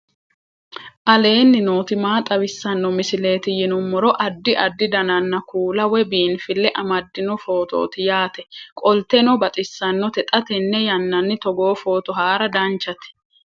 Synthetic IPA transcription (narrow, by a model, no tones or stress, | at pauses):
ʔɐle̞ːnːɪnoːt̪ɪmaːt̪ʼɐwɪsːɐnːɔmɪsɪle̞ːt̪ɪjɪnʊmːɔɾɔʔɐd̪ːɪʔɐd̪ːɪd̪ɐnɐnːɐkuːlɐwɛbiːnfɪlːɛʔɐmɐd̪ːɪnɔfo̞ːt̪o̰ːt̪ɪjaːt̪ɛkʼɔlt̪ɛnɔbɐt̪ʼɪsːɐnːɔt̪ɛt̪ʼɐt̪ɛnːɛjɐnːɐnːɪt̪ɔɡo̞ːfo̞ːt̪ɔɦaːɾɐd̪ɐnt͡ʃːɐt̪ɛ̥